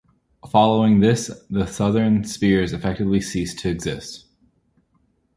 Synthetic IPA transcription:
fɑlˠoʊɪ̃ŋðɪsðəsʌðə̃˞nspɪɹzɨfɛk̚tɨvlisistʰɨɨɡz̥ɪst̚

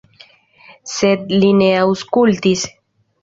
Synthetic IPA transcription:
sed̪lineawskult̪is

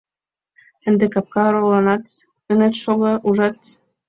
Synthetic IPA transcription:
ɘ̆nd̪ekɑp̚kɑɾolɑnɑt̪ | ə̆net̪ʃoɣɤ̆uʒɑt̪

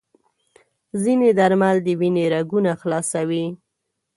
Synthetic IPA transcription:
zined̪aɾmald̪əwineɾaɡunaxlɑsawi

